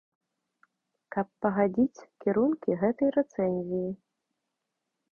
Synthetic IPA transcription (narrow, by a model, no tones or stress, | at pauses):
kɐpːɐɣad͡zʲit͡sʲkʲiɾunkʲiɣɛt̪ɐjrɛt̪sɛnʲzʲiji